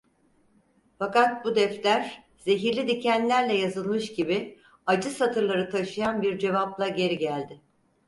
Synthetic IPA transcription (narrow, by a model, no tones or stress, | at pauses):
fakat̪̚bud̪ɛft̪lʲæɾ | z̥e̞ɦiɾlʲid̪icʰænlʲæɾlʲɛjazɯlˠmɯʃɟibɪ | ad͡ʒɯsat̪ʰɯɾlˠaɾɯt̪ʰaʃɯjanbiɾd͡ʒe̞vaplˠaɟe̞ɾiɟælʲd̪ɪ